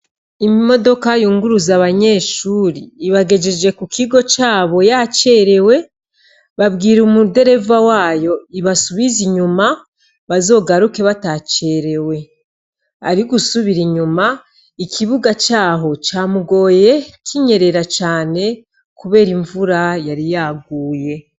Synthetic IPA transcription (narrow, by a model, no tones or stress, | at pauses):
imimo̞do̞kajuːŋɡuɾuzaβaɲe̞ːʃuːɾiːβaɡe̞d͡ʒed͡ʒe̞kukiɡo̞t͡ʃaːβo̞jat͡ʃe̞ɾe̞we̞ | βabɡiːɾumude̞ɾe̞vawaːjo̞iβasuβiziɲuma | βazo̞ːɡaɾuke̞βatat͡ʃe̞ɾe̞we̞ | a̰ɾiɡusuβiɾiɲuma | ikʰiβuɡat͡ʃaːɦo̞t͡ʃaːmuɡo̞ːje̞kʰiɲe̞ɾe̞ɾat͡ʃaːne̞ | kuβe̞ːɾiɱvuɾajaɾijaːɡuːje̞